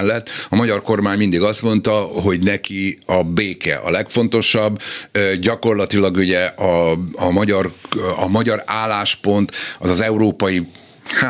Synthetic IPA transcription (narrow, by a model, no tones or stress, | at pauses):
lːɛt̪ːɒmɒɟɒrko̞rmaːɲmind̪iɡɒst̪mo̞nt̪ɒɦo̞ɟnɛkiɒbeːkɛ̰ʔɒ̰lɛkfo̞nt̪o̞ʃɒbːɟɒko̞rlɒt̪ilɒɡuɟɛɒːmɒɟɒrɒmɒɟɒɾaːlːaːʃpo̞nt̪ɒzɒzɛuɾoːpɒji | h